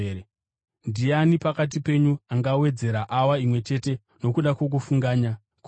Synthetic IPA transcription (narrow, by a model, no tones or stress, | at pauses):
ndianipakat̬ipe̞ɲuaŋɡawe̞d͡ze̞ɾaʔawaimwe̞t͡ʃe̞te̞ | no̞kuɗakwo̞k̬ufuŋɡaːɲa | k